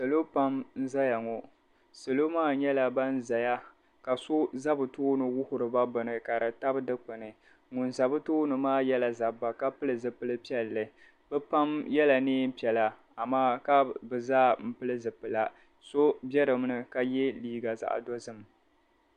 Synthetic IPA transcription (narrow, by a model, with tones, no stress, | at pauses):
sɨ˨lo˦pa˦mn̩˦za˦ja˨ŋɔ˨ | sɨ˨lo˦maː˦ɲɛ˦la˨ba˦n̩˦za˨ja˦ | ka˨sʊ˦za˦bɨ˨toː˦nɨ˨wʊ˦hʊ˨ɾɨ˨ba˦bɨ˨nɨ˨ka˨ɾɨ˨ta˦bɨ˦dɨ˦k͡pɨ˨nɨ˨ | ŋʊ˨nza˨bɨ˦tuː˦nɨ˨maː˦jɛ˦la˨za˨ba˨ka˦pɨ˦lɨ˨zɨ˨pɨ˨lɨ˦pi˦ɛ˦˨lːɨ˨ | bɛ˦pa˦mjɛ˦la˨neː˦m̩˦pi˨ɛ˨la˨ | a˨maː˦ka˦bɨ˨zaː˦m̩˦pɨ˦lɨ˦zɨ˨pɨ˨la˦ | so˦bjɛ˦ɾɨ˨m˦nɨ˨ka˦jɛ˦liː˦ɡa˨za̰˨ʔdɔ˦zɨ˦m˨